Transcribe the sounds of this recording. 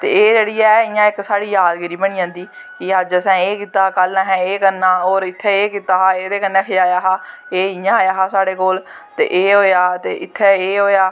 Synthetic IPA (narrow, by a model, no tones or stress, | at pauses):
t̪ḛːeːd͡ʒeːɽiːɛːɪjãːɪksaːɽiːjaːd̪ɡɪɾiːbəɽ̃iːãːnd̪iː | kɪaːd͡ʒəsɛ̃ːeːkiːt̪aːkəlaɦɛ̃ːeːkənːãːoːɾɪt̪ʰːeːeːkiːt̪aːɦaːeːd̪eːkənːẽːkʰɪaːjaːɦaː | eːɪjãːaːjaːɦaːsaːɽeːkoːl | t̪ḛːʔeːɦoːjaːt̪ḛːʔɪt̪ʰːeːeːɦoːjaː